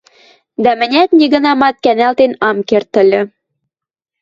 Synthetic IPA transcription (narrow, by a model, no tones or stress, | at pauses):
d̪æmɘ̆nʲæt̪nʲiɣə̆nɑmɑt̪̚kænælt̪enɑmkert̪ːə̆lʲɘ̆